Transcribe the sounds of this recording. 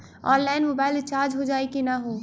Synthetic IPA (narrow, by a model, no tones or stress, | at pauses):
ɔːnlaːɪnmobaːɪlt͡ʃaːɾd͡ʒɦod͡ʒaːekinaɦoː